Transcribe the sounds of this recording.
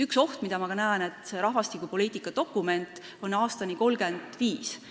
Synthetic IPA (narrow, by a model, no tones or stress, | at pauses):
ykso̞ht̪mid̪̥ɑmɑkɑnæene̞t̪ˑse̞ɾɑɦvɑst̪ikːˑupo̞liːt̪ːˑikːˑɑt̪o̞kːˑume̞nt̪ | o̞nɑːst̪ɑniko̞lɡe̞nd̪̥viːs